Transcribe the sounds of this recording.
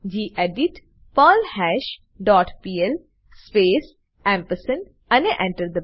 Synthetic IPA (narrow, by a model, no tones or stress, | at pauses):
d͡ʒiːʔɛɖɪʈ | pɔːlhɛːʃ | ɖɔːʈpiːɛl | speːs | ɛ̃ːmpəsən | əneʔɛ̃ɳʈəɾd̪ə